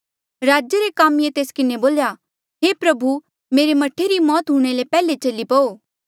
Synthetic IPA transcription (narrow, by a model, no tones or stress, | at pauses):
ɾaːd͡ʒjəɾekaːmjet̪eːskɪneboːlja | ɦeːpɾɐbʱu | meːɾemɐʈʰːeɾimɔːt̪ɦuɽ̃elepɛːlet͡ʃɐlipɐoː